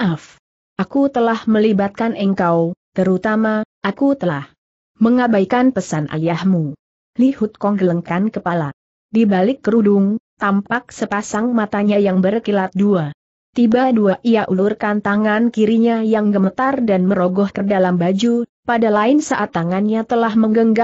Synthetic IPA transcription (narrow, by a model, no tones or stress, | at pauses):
af | ʔakut̪əlahməlibat̪̚kanʔəŋkawt̪əɾut̪amaʔakut̪əlah | məŋabajkanpəsanʔa̰ljahmu | lihut̪̚kɔŋɡələŋkankəpala | dibalɪkːɾudʊŋt̪ampak̚səpasaŋmat̪aɲajaŋbərkilat̪̚dua | t̪ibaduaʔijaʔulurkant̪aŋankiɾiɲajaŋɡəmət̪ardanməɾoɡɔhk̪ərdalambad͡ʒu | padalaɪnsaʔat̪ːaŋanɲat̪əlahməŋɡəŋɡa